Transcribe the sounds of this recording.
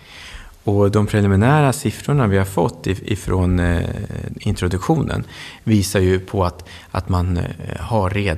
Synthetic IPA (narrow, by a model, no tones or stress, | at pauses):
ɔd̪ɔmpʰɾɛlɪmɪnæːɾasɪfɾʊɳavɪhaɾfɔt̪ːɪɪ̰fɾʔoːn | ɪnt̪ɾʊd̪ɵkɧuːnʔə̰nviːsaɾjɵpʰɔat̪ | ʔa̰t̪manhaɾːeːd̪